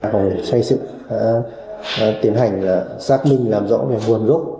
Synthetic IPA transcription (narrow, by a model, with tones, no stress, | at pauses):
kɔ˨˩˨sa˧jsɨ̰˧˨ha̰ː˧˥˧ | t̪i˨˦ənɦa˨˩jŋ̟laː˨˩saː˦˥k̚mï˧ŋ̟laː˨˩mzɔ̰˧˥ve˨˩mu˨˩ənzo˦˥k͡p̚